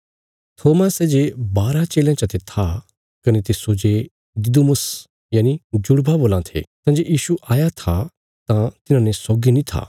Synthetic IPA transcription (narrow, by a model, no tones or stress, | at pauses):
t̪ʰoːmasɛd͡ʒebaːɾat͡ʃeːljãt͡ʃɐt̪ʰet̪ʰa | kɐnet̪esoːd͡ʒe | d̪ɪd̪umʊs | jaːnid͡ʒʊɽbaboːlãt̪ʰḛt̪ãːd͡ʒoʔjiːʃuʔaːjat̪ʰa | t̪ãt̪ɪnãnesoːɡinĩt̪ʰa̰ː